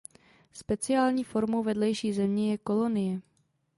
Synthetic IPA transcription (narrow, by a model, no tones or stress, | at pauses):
spɛt͡sɪaːlɲiːfo̞ɾmowvɛdlɛjʃiːzɛmɲɛjɛko̞lo̞nɪjɛ